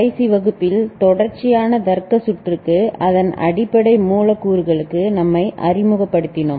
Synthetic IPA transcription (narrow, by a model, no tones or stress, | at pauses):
ɐɪsiʋɐɣɯpːɪlt̪ɔɽɐɾt͡ʃɪjaːnɐd̪ɐɾkːɐsʊʈːrɯkːɯɐðɐnɐ̰ɽɪpːɐɽɐɪmuːlɐkːuːɾɯɣɐɭɯkːɯnɐmːɐɪʔɐ̰rɪmɯɣɐpːɐɽɯt̪ːɪɳɯm